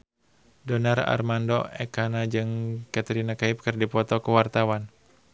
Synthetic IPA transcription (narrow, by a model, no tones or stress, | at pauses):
dɔnara̰rmandɔɛkanad͡ʒɨŋkat̪əɾinakaip̚kɨrdipɔt̪ɔkuwart̪awan